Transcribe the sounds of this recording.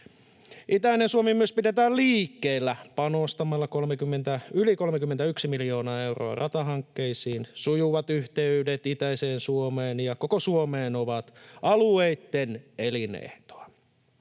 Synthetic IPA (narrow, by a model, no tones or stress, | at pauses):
ʔit̪æinensuomimːyøspidet̪æːlliːkːeːlːæpɑnost̪ɑmɑlːɑko̞lmekymːent̪æyliko̞lmekymːent̪æyksimilijo̞ːnɑːe̞wro̞̰ɑ̰rɑt̪ɑɦɑŋkːeisiːnsujuʋɑt̪yht̪eydet̪it̪æiseːnsuomeːnjɑko̞kosuomeːnoʋɑt̪ɑlueit̪ːene̞linḛht̪o̥ɑ